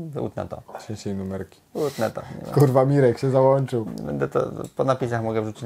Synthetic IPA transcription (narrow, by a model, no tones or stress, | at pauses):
ṵt̪nɛ̰t̪ɔ̰t͡ɕʲɛt͡ɕɛjnumɛɾkʲi̥ut̪nɛt̪ɔfkuɾvamʲiɾɛkɕɛzawɔnt͡ʂɘwɛ̰bɛ̰nd̪ɛt̪ɔ̰pɔnapʲis̬axmɔɡɛʐut͡ɕi